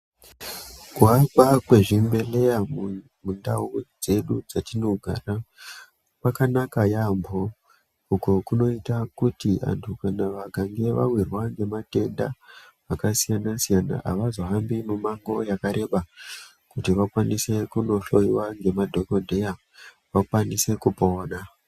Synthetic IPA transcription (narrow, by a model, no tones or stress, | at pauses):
kwakakweʐimbe̞le̞ja | mundaud͡ze̞ɗud͡zatino̞ɡʱa̰ra | pakanakajambʱo | ukokuno̞itakutia̰ntʰukanaʋaɡʱaŋɡe̞ʋa̰wirwaŋɡe̞mate̞nda | akasijanasijana̰ʔa̰ʋazo̞ɦambimumaŋɡo̞jakaɾe̞ɓa | kutiʋakwanise̞kuno̞ɬo̞jiwaŋɡe̞madʱo̞ko̞dʱe̞ja | ʋakwanise̞kupo̞ːna